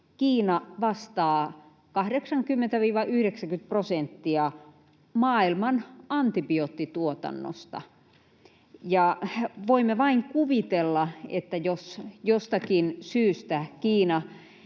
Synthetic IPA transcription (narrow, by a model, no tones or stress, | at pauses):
kiːnɑʋɑst̪ɑː | kɑhdeksɑŋkymːent̪æʋiːʋɑʔyhɾeksækynt̪̚prosent̪ːiɑ | mɑːilmɑnɑnt̪ipiot̪ːit̪uot̪ɑ̰nːo̰st̪ɑ̰ | jɑʋoimːeʋɑiŋkuʋit̪elːɑḛt̪ːæjosjost̪ɑkinsyːst̪ækiːnɑ